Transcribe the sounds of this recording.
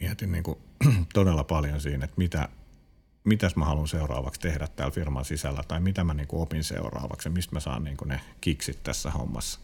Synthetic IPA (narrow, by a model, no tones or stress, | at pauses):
miɛt̪inniːŋkut̪odelːɑpɑljonsiːnet̪mit̪æ̰ | mit̪æsmæhɑlunseurɑ̰ːʋɑkst̪ehdæt̪t̪æːlfirmɑnsisælːæt̪ɑimit̪æmæniːŋkuopinsḛurɑ̰ːʋɑ̰ksjɑmist̪mæsɑ̰ːnniːŋkune | kiksit̪t̪æ̰sːæho̰mːɑ̰sːɑ̥